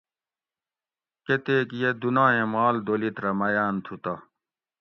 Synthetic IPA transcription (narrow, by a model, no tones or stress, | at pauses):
ket̪eːkjed̪unãːẽmaːld̪oːlit̪ɾɐmɐjaːnt̪ʰut̪a